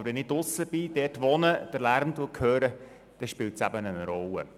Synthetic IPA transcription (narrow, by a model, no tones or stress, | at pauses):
bəɾʋɛnɪtʊsːəb̥ɪd̥ɛtʋɔnəd̥əɾlæɾmt̪ukʰhøːɾə | d̥ɛʃpɪltsæbənənɾɔlːə̰